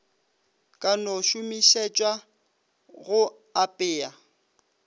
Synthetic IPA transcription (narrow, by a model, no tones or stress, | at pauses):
kʼanɔʃʊmiʃet͡ʃʼwa | ɣʊ | apʼɪːa